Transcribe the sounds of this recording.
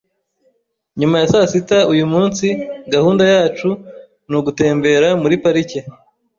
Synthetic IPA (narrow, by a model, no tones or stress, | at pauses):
ɲumajasasitaujumuːnsiɡahuːndajaːt͡ʃu | nuɡute̞ːmbe̞ɾamuɾipaɾice